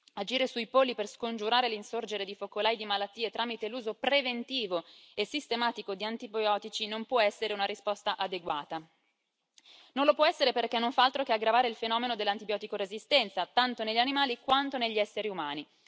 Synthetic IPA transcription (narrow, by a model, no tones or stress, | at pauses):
ad͡ʒiːɾesuipolːiperskond͡ʒuɾaːɾelinsord͡ʒeɾed̪ifokolajd̪imalat̪ːiːet̪ɾaːmit̪eluːzopɾevent̪iːvoesist̪emaːt̪ikod̪iant̪ibjɔːt̪it͡ʃinompwɔɛsːeɾeunaɾispɔst̪aʔad̪eɡwaːt̪a | nonlopwɔɛsːeɾeperkɛnːoɱfaalt̪ɾokeaɡɾavaːɾeilfenɔːmenod̪elːant̪ibjɔːt̪ikoɾezist̪ɛnt̪sat̪ant̪oneʎːanimaːlikwant̪oneʎːiɛsːeɾiumaːni